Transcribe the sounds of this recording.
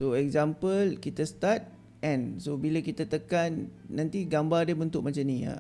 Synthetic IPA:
soɛk̚zampəlkit̪əst̪at̪̚ | ɛ̃nsobilakit̪at̪əkanːãnt̪iɡambardəbənt̪ʊk̚mãt͡ʃamnĩa̰

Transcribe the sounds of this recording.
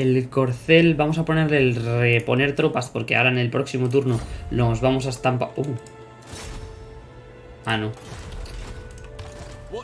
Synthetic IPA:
elko̞ɾθe̞lbamo̞sapone̞ɾlelre̞po̞ne̞ɾt̪ɾo̞paspo̞ɾke̞a̰ɾaene̞lpɾo̞ksimo̞t̪̬uɾnonozβamo̞saest̪ampau | ano

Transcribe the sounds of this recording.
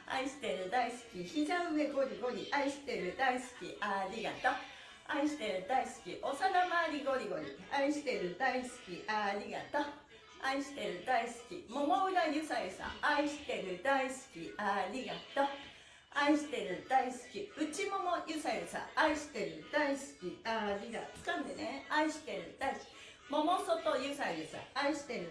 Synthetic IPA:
a̰iɕi̥t̪e̞ɾɯ̟d̪aisɨ̥kʲiçizaɯ̟meɡo̞ɾʲiɡo̞ɾʲiʔaiɕi̥t̪eɾɯ̟d̪aisɨ̥kʲiʔaɾʲiɡat̪a | aiɕi̥t̪e̞ɾɯ̟d̪aisɨ̥kʲiʔo̞sanamaɾʲiɡo̞ɾʲiɡo̞ɾʲḭaiɕi̥t̪eɾɯ̟d̪aisɨ̥kʲiʔaɾʲiɡa̰t̪a | aiɕi̥t̪e̞ɾɯ̟d̪aisɨ̥kʲḭmo̞moɯ̟ɾajɯ̟sajɯ̟sã̰aiɕi̥t̪e̞ɾɯ̟d̪aisɨ̥kʲiaɾʲiɡat̪a | aiɕi̥t̪e̞ɾɯ̟d̪̥aisɨ̥kʲiɯ̟t͡ɕimo̞mojɯ̟sajɾɯ̟sã̰aiɕi̥t̪e̞ɾɯ̟d̪aisɨ̥kʲiaɾʲiɡḁkãnd̪eneaiɕi̥t̪e̞ɾɯ̟d̪aiskʲi | mo̞mo̞sot̪o̞jɯ̟saiɾɯ̟sã̰aiɕi̥t̪e̞ɾɯ̟

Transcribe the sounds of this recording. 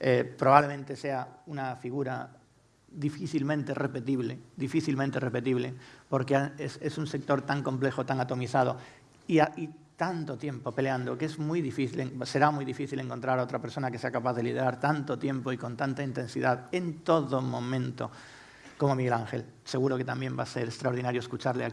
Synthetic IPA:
epɾo̞βaβle̞mẽnt̪e̞se̞aunafiɣ̞uɾa | ðifiθilmẽnt̪ere̞pe̞t̪iβleðifiθilmẽnt̪ere̞pe̞t̪iβle̞po̞ɾkeaesesunse̞k̚t̪o̞ɾt̪aŋko̞mple̞xot̪aŋat̪o̞miθað̞o | iait̪ant̪ot̪jẽ̞mpo̞pe̞leand̪okee̞zmujðifiθileŋse̞ɾamujðifiθile̞ŋko̞nt̪ɾaɾao̞t̪ɾape̞ɾso̞nakeseakapaðe̞lið̞e̞ɾaɾt̪ant̪o̞t̪je̞mpoiko̞nt̪ant̪aint̪e̞nsiðaðe̞nt̪o̞ðomõ̞mẽ̞nt̪o̞̰ | ko̞mo̞miɣelaŋxe̞̰l | se̞ɣ̞uɾo̞ket̪ambje̞mbase̞ɾest̪ɾaoɾðinaɾjoeskut͡ʃaɾlea

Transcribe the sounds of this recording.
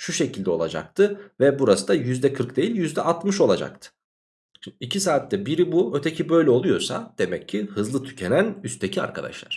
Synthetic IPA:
ʃuʃe̞cʰilʲd̪ɛo̞lˠa̰d͡ʒa̰k̚t̪ʰɯvɛbuɾasɯd̪ajyzd̪ɛkʰɯɾkd̪ejilʲjyzd̪ɛʔat̪mɯʃo̞lˠad͡ʒa̰k̚t̪ʰɯ̥ | icʰisaːt̪ːɛbiɾibuø̞t̪ʰe̞cʰibø̞jlʲɛo̞lˠujo̞sa̰d̪̥e̞mɛcʰːihɯzlˠɯt̪ʰy̥cʰe̞nænyst̪ʰecʰia̰ɾkʰad̪a̰ʃlˠa̰ɾ̥

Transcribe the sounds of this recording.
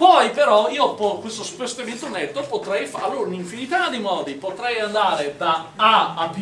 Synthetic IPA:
pɔjpeɾɔiːopɔkwest̪osu̥pest̪oevent̪onet̪ːopot̪ɾɛjfa̰loiniɱfinit̪ad̪ejmɔːd̪ipot̪ɾɛjand̪aːɾed̪aaːp

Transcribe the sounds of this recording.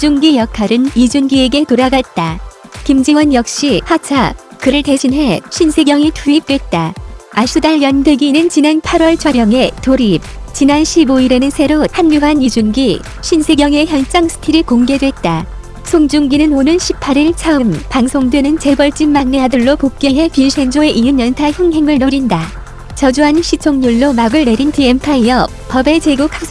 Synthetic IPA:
d͡ʑuŋɡijʌkʰaɾɯnid͡ʑunɡie̞ɡe̞toɾaɡat̚t͈a | kimd͡ʑiwʌnjʌk̚ɕ͈ihat͡ɕʰakɯɾɯɭte̞ɕʰinɦe̞ɕʰinsʰeɡjʌŋitʰuip̚t͈we̞t̚t͈aaɕ͈ʰudaɭjʌndɯɡinɯnt͡ɕinenpʰaɾwʌɭt͡ɕʰʌɾjʌŋe̞toɾip̚ | t͡ɕinanɕʰiboiɾe̞nɯnsʰe̞ɾohanːuɦanid͡ʑunɡi | ɕʰinsʰe̞ɡjʌŋe̞çjʌnt͡ɕ͈aŋsʰɯ̥tʰiɾikoŋɡe̞dwe̞t̚t͈a | sʰoŋd͡ʑuŋɡinɯnonɯnɕʰipʰaɾiɭt͡ɕʰaɯmpaŋsʰoŋdwe̞nɯnt͡ɕe̞bʌɭt͡ɕ͈immaŋneadɯɭːopop̚k͈eɦe̞pinɕʰe̞nd͡ʑoe̞ʔijɯnjʌntʰaçjʌŋɦe̞ŋɯɭnoɾinda | t͡ɕʌd͡ʑuɦanɕʰit͡ɕʰoŋɲuɭːomaɡɯɭne̞ɾintiempʰaiʌ | pʌbe̞t͡ɕe̞ɡukʰak̚s͈

